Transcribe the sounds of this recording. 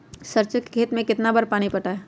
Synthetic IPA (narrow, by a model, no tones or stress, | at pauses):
səɾt͡ʃəkkʰeːt̪mẽkɪt̪nabəɾpaːñipɐʈaːɛ